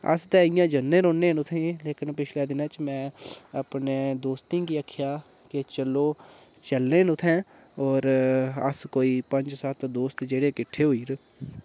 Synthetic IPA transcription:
ə̰st̪ɛːɪjãːd͡ʒənːẽːɾõːnːẽːnʊt̪ʰẽleːkɪnpɪt͡ʃʰleːd̪ɪnãːt͡ʃmɛ̃ːəpneːd̪oːst̪ĩːkiəkʰjaː | ket͡ʃəloː | t͡ʃəlnẽːnʊt̪ʰːɛ̃ː | ɔːɾə̰skoːiːpə̃ɲd͡ʒsət̪d̪oːst̪d͡ʒeːɽeːkɪʈʰːeːɦoiːɾ

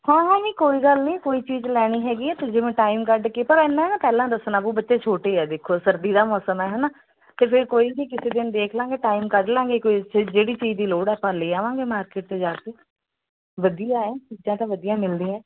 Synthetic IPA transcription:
hãːɦãːniːkoːiːɡəlnĩːkoːiːt͡ʃiːd͡ʒlɛːɽ̃iːɦɛːɡiːɛːt̪ed͡ʒɪʋẽːʈaːimkəɖkeːpəɾɛːnːãɦɛnãːpɛːlãːd̪əsnaːbuːbətːʃeːt͡ʃʰoːʈeːɛːd̪ekʰːoːsəɾd̪iːd̪aːmɔːsəmɛːɦɛːnaː | t̪eːpʰɪɾkoːiːbiːkɪseːd̪ɪnd̪eːkʰlãːɡeːʈaːimkəɖlãːɡeːkoːid͡ʒeːɽiːt͡ʃiːd͡ʒd̪iːloːɽɛːpãːleːaːʋãːɡeːmaːɾkeːʈ̚t̪eːd͡ʒaːkeː | ʋəd̪ijãːɛːt͡ʃiːd͡ʒãːt̪ãːʋəd̪ijãːmɪld̪ĩːãː

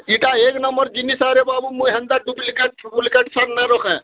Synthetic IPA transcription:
iʈaeknəmːəɾd͡ʒinisaɾebabumuɦɛnd̪aɖublkeʈbulikeʈsannəɾɔkʰɛ̃

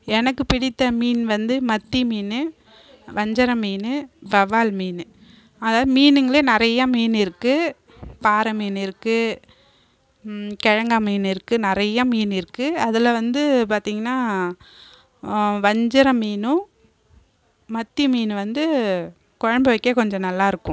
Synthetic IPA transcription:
ɛnɐkːɯpɪɽɪt̪ːɐmiːnʋɐnd̪ɯmɐt̪ːimiːnɯ | ʋɐɲd͡ʒɐɾɐmiːnɯbɐʋaːlmiːnɯ | ɐðaːðɯmiːnɯŋɡɐɭeːnɪɾɐjːɐmiːnɪɾɯkːɯ | paːɾɐmiːnɪɾɯkːɯ | kɛɻɐŋɡamiːnɪɾɯkːɯnɪɾɐjːɐmiːnɪɾɯkːɯɐðɪlɐʋɐnd̪ɯp̬aːɾt̪iːŋɡɐnːaː | ʋɐɲd͡ʒɐɾɐmiːnʊ̃ | mɐt̪ːimiːnʋɐnd̪ɯ | kɔɻɐmbɐʋɐɪkːeːkɔɲd͡ʒɔ̃nɐlːaːɪɾɯkːʊ̃

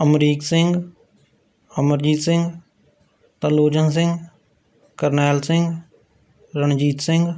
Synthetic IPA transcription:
əmɾiːksɪ̃ŋɡ | əməɾd͡ʒiːt̪sɪ̃ŋɡ | t̪əloːd͡ʒə̃ns̬ɪ̃ŋɡ | kəɾnɛːlsɪ̃ŋɡ | ɾəñd͡ʒiːt̪sɪ̃ŋɡ

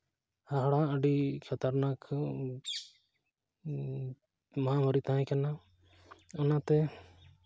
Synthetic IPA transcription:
haɦɽãʔəɖikʰat̪aɾnakʰ | maɦamɔɾit̪aɦɛ̃kana | ɔnat̪ɛ

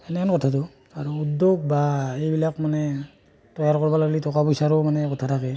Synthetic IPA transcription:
ɛnɛankɔtʰatɔ | aɹuudoɡ̚baejbilakmanɛ | tɔjaɹkɔɹbalaɡlitɔkapɔjsaɾɔmanɛkɔtʰatʰakɛ

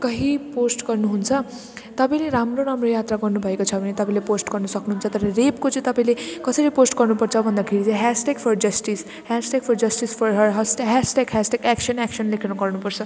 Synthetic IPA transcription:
kʌɦiposʈɡʌrnuɦunt͡sʰʌ | t̪ʌpãj̃leɾamroɾamrojat̪raɡʌrnubʱʌekot͡sʰʌbʱʌnet̪ʌpãĩleposʈɡʌrnusʌknuɦunt͡sʰʌt̪ʌɾʌrepkot͡sʌĩt̪ʌpãĩlekʌsʌɾiposʈɡʌrnupʌrt͡sʰʌbʱʌnd̪akʰeɽit͡sʌ̃ɦasʈeɡpʰʌrd͡zʌsʈis | hasʈeɡ̚pʰʌrd͡zʌsʈispʰʌrɦʌɦʌsʈɦasʈekɦasʈekæksʌnakʌnlekʰinuɡʌrnupʌrt͡sʰʌ

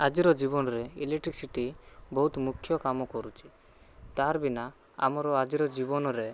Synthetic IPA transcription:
ad͡ʒiɾɔd͡ʒibɔnɔɾɛḭleʈɾiksiʈibɔɦut̪mukʰːjɔkamɔkɔɾut͡ʃʰi̥ | t̪aɾbina | a̰mɔɾɔad͡ʒiɾɔd͡ʒibɔnɔɾe

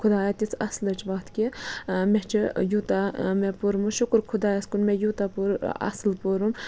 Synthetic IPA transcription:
kʰʊd̪aːjat̪isɐslɐt͡ʃʋɐt̪kʲimet͡ʃʰijut̪amepuɾmuʃukɾkʰʊd̪aːjɐskunmejut̪apuɾɐ̰slpuɾum

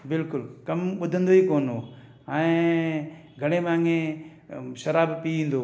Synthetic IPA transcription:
bɪlkʊlkɐmɓʊd̪ʱə̃nd̪oɦiːkoːnoː | ɛ̃ː | ɡʱɐɽ̃emãːŋẽ | ʃɐɾaːbpiĩːn̆d̪oː

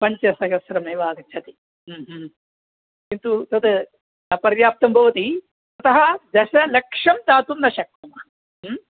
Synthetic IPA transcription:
pɐɲt͡ʃɐsɐkɐsɾɐmejʋaːɡɐt͡ʃʰɐt̪iː | ɦ | kint̪ut̪ɐt̪ɐ | ɐpɐɾjaːp̚t̪ɐmbʱɐʋɐt̪i | t̪ɐt̪ɐɦɐd̪ɐʃɐlɐkʂɐmt̪aːt̪unːɐʃɐk̪̚ɐmɐ | m

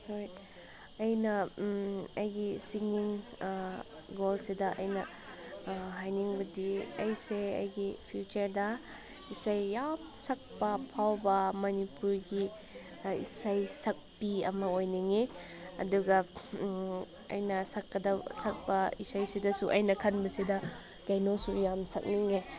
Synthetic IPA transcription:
hoj | ɐjnɐ | ɐjɡisiŋiŋ | ɡolsidɐʔɐ̰jnɐ | ɦajniŋbɐdiɐ̰jseɐ̰jɡipʰjut͡ʃɐɾdɐ | isajːap̚sɐk̚pɐpʰawbɐmɐnipuɾɡi | ḭsajsɐk̚piɐmɐojniŋe | ɐ̰duɡɐ | ɐ̰jnɐsɐkːɐdɐsɐk̚bɐisajsidɐsuʔɐ̰jnɐkʰɐnbɐsidɐ | kɐjnosujamsɐk̚niŋe

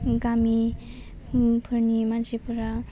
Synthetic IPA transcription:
ɡami | pʰɯɾnimansepʰuɾa

